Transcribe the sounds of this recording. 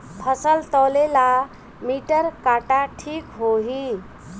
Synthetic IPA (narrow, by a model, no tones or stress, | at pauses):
pʰəsəlt̪ɔlela | miʈəɾkaʈaʈʰikɦoɦi